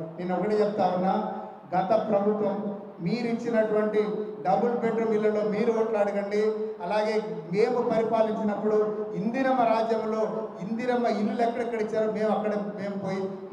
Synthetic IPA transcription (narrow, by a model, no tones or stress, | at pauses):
neːnːuɔkɐʈiːt͡ʃɛput̪aːunːaː | ɡɐt̪ɐpɾɐbʱut̪ʋɐmː | iːɾit͡ʃːinɐʈuʋɐɳʈiɖɐbulpeɖɾɐmilːɐlo̞ːmiːɾuɔːʈlaːɽɐɡɐɳɖiɐlaːɡe̞ːme̞ːmupɐɾipaːliɲt͡ʃinɐpːuɽuind̪iɾɐmɐɾaːd͡ʒjɐmlo̞ːind̪iɾɐmɐilːulɛkːɐɽɛkːɐɽit͡ʃːaːɾome̞ːmɐkːɐɽeme̞ːmupoːji